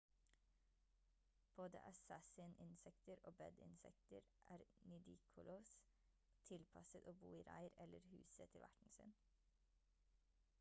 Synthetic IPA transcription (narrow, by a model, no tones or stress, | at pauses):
b̥oːd̪ə̰ʔɑsæsɪənʔɪnsɛkt̪əɾoːbɛd̪ɪ̰nsɛ̰kt̪əɾʔæːɾnɪd̪ɪːkʰʊloːs | t̪ʰɪlpʰɑsət̪oːbuːiːɾæ̰ɪəɾɛləɾhʉːsət̪ʰɪlʋæʈɳ̩sɪ̰n